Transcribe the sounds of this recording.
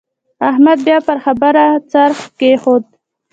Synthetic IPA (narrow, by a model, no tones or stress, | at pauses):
ahmad̪̚bjɑpəɾxabaɾat͡saɾxkexod̪̚